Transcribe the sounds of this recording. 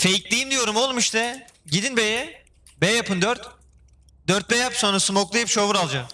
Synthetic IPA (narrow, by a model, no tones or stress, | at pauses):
fejiclʲijimd̪ijo̞ɾumolˠmiʃt̪ɛ | ɟid̪inbejɛ | bɛjapʰɯnd̪øɾt̪ | d̪øɾt̪̚bɛjapsonɾasɯmoklˠajɯpʃovuɾalˠd͡ʒa